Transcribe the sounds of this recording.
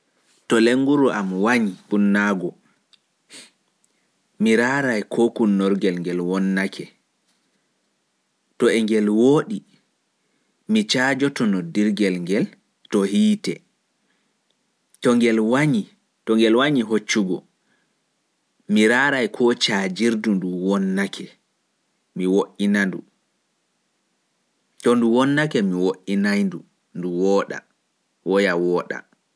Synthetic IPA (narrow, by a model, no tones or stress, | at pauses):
tɔleŋːɡuɾuʔamwaɲipunːaɡɔ | miɾaːɾajkʰɔkunːɔɾɡɛlŋɡɛlwɔnːakʰɛ | tɔɛŋɡɛlwoːɗi | mit͡ʃaːd͡ʒɔtɔnɔdiɾɡɛlŋɡɛl | tɔhiːtɛ | tɔŋɡɛlwaɲi | tɔŋɡɛlwaɲiɦot͡ʃːuɡɔ | miɾaːɾajkʰɔt͡ʃad͡ʒiɾdunduwɔnːakʰɛ | miwoʔinandu | tɔnduwɔnːakɛmiwoʔinajndu | nduwɔɗa̰ | wɔjawɔːɗa̰